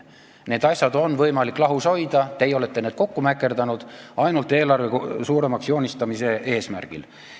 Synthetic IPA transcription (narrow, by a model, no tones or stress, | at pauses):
ne̞ːd̪ɑsʲjɑd̪o̞nvɤjmɑlikːˑlɑɦuso̞jd̪ɑt̪e̞jo̞le̞t̪ːˑe̞ned̪̥ko̞kːumækːˑe̞rd̪ɑnud̪̥ɑjnult̪e̞ːlɑrveksuːɾe̞mɑksjo̞ːnʲist̪ɑmise̞ʔe̞ːsmæ̰rɡ̥ḭl